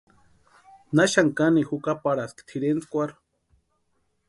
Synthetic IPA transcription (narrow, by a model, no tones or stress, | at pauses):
naʃaŋkanixukapaɽaskt̪ʰiɾent͡skʷaɾ